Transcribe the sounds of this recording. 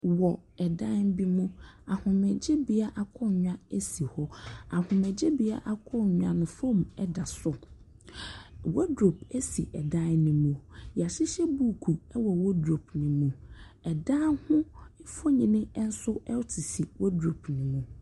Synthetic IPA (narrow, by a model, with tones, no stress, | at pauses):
wɔ˨ɛ˨dã˦m˦bi˦mũ˦a˨hʊ̃˨mɛ˨d͡ʑɛ˦bi˨a˦ʔa˨kʰɔ˦˨ɲᶣã˦ɛ˦si˨hɔ˦a˨hʊ̃˨mɛ˨d͡ʑɛ˦bi˨˦a̰˦˨ʔa˨kʰɔ˦ɲᶣã˨nʊ̃˨fõ˦˨mɛ˦da˨sʊ˨ | wɔ˦dɾo˨p̚ɛ˦si˨ʔɛ˨dã˦nnĩ˨mũ˨ja˨ɕɪ˦ɕɛ˦bu˦˨kʰu˨ɛ˦wɔ˨wɔ˦dɾo˨p̚nĩ˨mũ˨ɛ˨dã˦hʊ̃˦fɔ˦ɲĩ˦nɪ̃˦n̩˦sʊ˦ɛ˦tʰi˨si˨wʔɔ˦dɾo˨p̚ʰnĩ˨mũ˨